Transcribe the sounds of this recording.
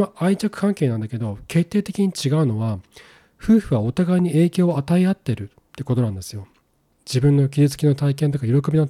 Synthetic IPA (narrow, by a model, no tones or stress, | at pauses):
maait͡ɕakɯ̟̥kãŋke̞ːnãnd̪ake̞d̪o̞kʰe̞t̪ːe̞ːt̪e̞kʲiɲ̟it͡ɕiɡaɯ̟no̞βa | ɸɯ̟ːɸɯ̟βaot̪aɡaiɲ̟ie̞ːkʲo̞ːat̪aiat̪ːe̞ɾɯ̟ | t̪ːeko̞t̪oãnd̪e̞sɨjo̞ | d͡ʑibɯ̟̃nːo̞kʲizɨt͡sɨ̥kʲino̞t̪aikẽnt̪̬o̞kajo̞ɾo̞kobʲino